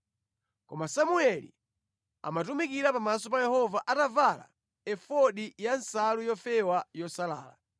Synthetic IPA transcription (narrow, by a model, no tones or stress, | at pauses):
kɔmasamuɛlḭ | a̰matumikiɾapamasɔp̬ajɛhɔvaʔatavala̰ | ɛfɔɗijansalujɔfɛwajɔsala̰ːla̰